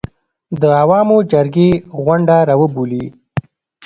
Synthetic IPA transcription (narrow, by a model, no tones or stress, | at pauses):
d̪əawɑmod͡ʒaɾɡeɣwaɳɖaɾɑːwəbuli